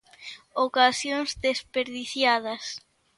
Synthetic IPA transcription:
okasjoŋzðespeɾðiθjað̞ɐs

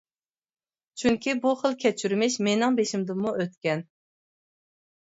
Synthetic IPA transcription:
t͡ʃʰyŋkʲibuχəlˠkʲʰɛt͡ʃʰyɾmɪʃmenɪŋbeʃimd̪ɨmːuʔøt̪kʲɛn

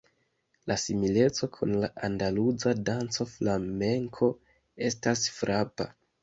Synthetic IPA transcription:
lasimile̞t͡so̞kʰunlaʔandalud͡zadant͡so̞flame̞ŋkʰo̞ | e̞stasfɾapa̰

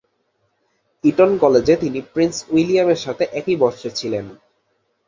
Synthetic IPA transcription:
iʈonkɔled͡ʑet̪inipɾinswilijameɾʃat̪ʰeʔɛkibɔɾʃet͡ɕʰilen

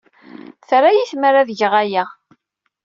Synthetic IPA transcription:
θɾajiθməɾaðəʝəʁæja

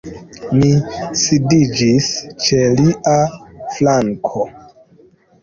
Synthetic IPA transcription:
misidid͡ʒist͡ʃe̞liʔaflaŋkʰo

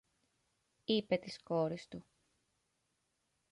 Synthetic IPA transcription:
ipe̞t̪isko̞ɾist̪u

